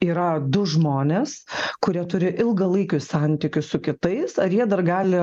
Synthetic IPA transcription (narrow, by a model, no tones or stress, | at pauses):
iːɾɐd̪ʊʒmoːnʲeːskʊɾʲiɛt̪ʊɾʲɪʔɪlˠɡɐlˠɐɪkʲʊsɑnʲt̪ʲɪkʲʊssʊkʲɪt̪ɐɪsɐɾjiɛd̪ɐrɡɑːlʲɪ